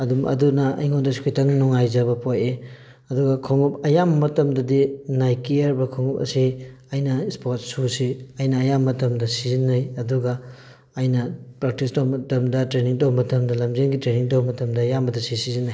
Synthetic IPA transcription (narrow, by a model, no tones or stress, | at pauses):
ɐdumɐ̰dunɐ̰iŋondɐsi̥kʰujtɐŋnɔŋajzɐbɐpʰoje | ɐduɡɐkʰoŋup̚ɐjammɐtɐmdɐdinajkiɐɾbɐkʰoŋup̚ɐ̰siɐjnɐspot̚susiɐjnɐːjamːɐtɐmdɐsizinːɐjɐduɡɐː | jnɐpɾak̚tistowmɐtɐmdɐtɾeniŋtowbɐmɐtɐmdɐlɐmzenɡitɾeniŋtowbɐmɐtɐmdɐːjambɐdɐsisizinːaj